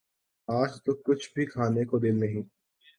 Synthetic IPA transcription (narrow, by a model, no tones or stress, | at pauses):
aːd͡ʒt̪okʊt͡ʃʰbʱikʰaːnekod̪ɪlnɐɦĩː